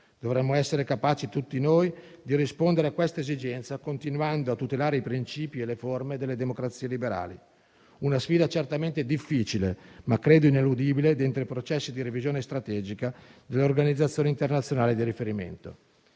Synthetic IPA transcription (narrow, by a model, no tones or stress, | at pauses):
d̪̥ovɾɛmːoɛsːeɾekapaːt͡ʃit̪ut̪ːinoj | d̪iɾispond̪eɾeakwest̪aezid͡ʒɛnt̪sakont̪inwand̪oat̪ːut̪elaːɾeipɾint͡ʃiːpieleformed̪elːed̪emokɾat̪sːiːelibeɾa̰ːlḭ | unasfiːd̪at͡ʃert̪ament̪ed̪ifːiːt͡ʃilemakːɾeːd̪oinelud̪iːbiled̪ent̪ɾoipɾot͡ʃɛsːid̪iɾevizjoːnest̪ɾat̪ɛːd͡ʒikad̪elːeorɡanid̪zːat̪sːjoːneint̪ernat̪sːjonaːlid̪iɾifeɾimḛnt̪o